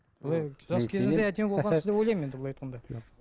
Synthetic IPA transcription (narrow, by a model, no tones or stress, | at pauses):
bolˠɑjʒɑskʲʰe̞zɪɪzzeæd̪emeboʁɑnɪzd̪ewojlɑjmjend̪ɪblˠɑjt̪̚qɑnd̪ɑ